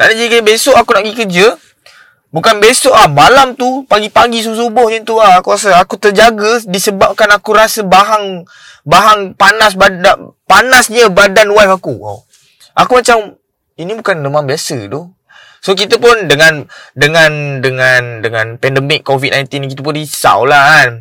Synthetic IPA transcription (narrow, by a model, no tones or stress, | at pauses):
na̰ʔdad͡ʒadikit̪əbesɔʔakunaʔɡikərd͡ʒə | bukanbesɔʔahmalamt̪upaɡipaɡis̬us̬ubɔhɲət̪uahakuɾas̬əakut̪əd͡ʒaɡədisəbap̚kanakuɾasəbaɦaŋ | baɦaŋpanas̬baapanasɲəbadanwafakṵ | ʔakumat͡ʃam | inibukanləmambiasəd̪ɔ | sok̬it̪əpʊndəŋandəŋandəŋandəŋãnpɛndəmɪkːovit̪̚najnt̪inkit̪əp̬unisa̰wlahn